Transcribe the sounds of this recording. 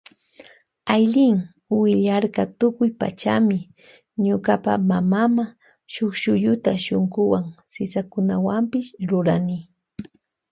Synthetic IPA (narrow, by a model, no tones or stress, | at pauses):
ajʎɪŋ | wɪʎaɾkɑt̪ʊkʊjpa̰t͡ʃamɪ | ɲʊkapa̰mamama | ʃoχʃʊʎʊt̪aʃoɴɢʊwaŋsɪsakʊnawampɪʃɾʊɾanɪ